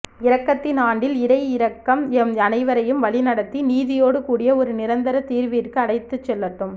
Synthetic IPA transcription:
ɪɾɐkːɐt̪ːɪnaːɳɖɪlɪɾɐɪɪɾɐkːɐmɛmɐnɐɪʋɐɾɐjɯmʋɐɭɪnɐɽɐt̪ːiniːðɪjoːɽɯkuːɽɪjɐɔɾɯnɪɾɐnd̪ɐɾɐt̪iːɾʋɪɪrkɯɐɽɐɪt̪ːɯt͡ʃːɛlːɐʈːɯm

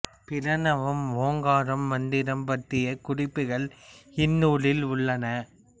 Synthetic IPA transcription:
pɪɾɐnɐʋɐmʋoːŋɡaːɾɐmːɐnd̪ɪɾɐmpɐʈrɪjɐkʊrɪpːɯɣɐɭɪnːuːɭɪlʊɭːɐnɐ

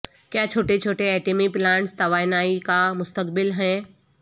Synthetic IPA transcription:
kjaːt͡ʃʰoːʈet͡ʃʰoːʈeɛːʈemiplãːɳʈst̪ɐʋaːɪnaːikamʊst̪əkbɪlɦɛ̃ː

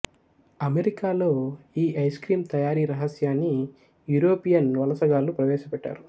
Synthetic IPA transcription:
ɐmeɾikaːlo̞ːiːɐjskɾiːmt̪ɐjaːɾiːɾɐɦɐsjaːnːi | juɾoːpijɐnʋɐlɐsɐɡaːlupɾɐʋɛːʃɐpɛʈːa̰ːɾu

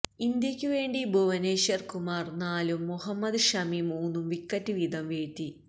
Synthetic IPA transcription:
ind̪jɐkʲːuʋe̞ːɳɖibʱoʋɐneːɕɐrkumaːrnaːlumːuɦɐmːɐd̪ʂɐmimuːnːumʋikːɐtːɨʋid̪ɐmʋeːt̪ːi

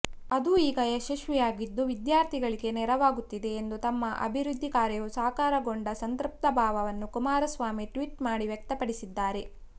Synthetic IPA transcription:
ɐd̪uiːɡɐjɐʃiʃʋɛjaːɡid̪ːuʋid̪jaːɾt̪ʰiɡɐɭiɡe̞nɛɾɐʋaːɡut̪ːid̪e̞ːnd̪ut̪ɐmːɐʔɐ̰bʱiɾud̪ʱːikaːɾjɐjusɐːkaːɾɐɡo̞ɳɖɐsɐnt̪ɾup̚t̪ɐbʱaːʋɐʋɐnːukumaːɾɐsʋaːmiʈʋiːʈmaːɽiʋjɐk̚t̪ɐpɐɽisid̪ːaːɾe̞

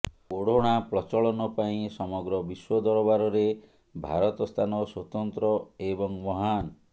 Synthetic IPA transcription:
oɽ̤oɽ̃apɾɔt͡ʃɔɭɔnɔpaĩsɔmɔɡɾɔbiswɔd̪ɔɾɔbaɾɔɾe | bʱa̰ɾɔt̪ɔst̪ʰanɔswɔt̪ɔnt̪ɾɔebɔŋmɔɦan

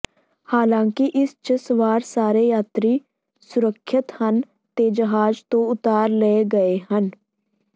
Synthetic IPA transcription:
haːlãːŋkɪʔɪst͡ʃəsəʋaːɾsaːɾeːjaːt̪ɾiː | sʊɾəkʰːɪt̪hən | t̪eːd͡ʒəɦaːd͡ʒt̪õːʊt̪aːɾleeɡəeːɦən

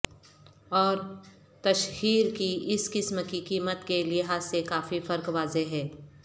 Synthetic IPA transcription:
ɔːɾ | t̪ɐʃɦiːɾkiʔɪskɪsmkikiːmət̪kelɪɦaːzsekaːfifɐɾkʋaːzeɦɛː

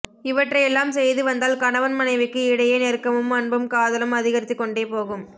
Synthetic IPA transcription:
ɪʋɐʈrɐjɛlːaːmsɛjðɯʋɐnd̪aːlkɐnɐʋɐnmɐnɐɪʋɯkːɯɪɽɐjeːneːrkːɐmɯmɐnbɯmkaːðɐlɐmɐðɪɣɐɾɪt̪ːɪkːɔɳɖeːpoːɣɯm

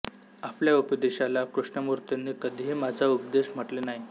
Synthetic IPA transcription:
apljaupəd̪eɕalakɾuʂɳəmuɾt̪enːikəd̪ʱiɦemad͡zʱaupd̪eɕm̤əʈlenaɦi

